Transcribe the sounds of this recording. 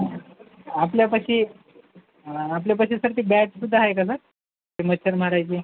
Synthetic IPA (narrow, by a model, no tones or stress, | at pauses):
apljapəɕiː | apljap̬əɕisəɾt̪iːbæʈsud̪ʱːaɦajkasəɾ | t̪iməɕʰəɾm̤aɾajt͡ɕiː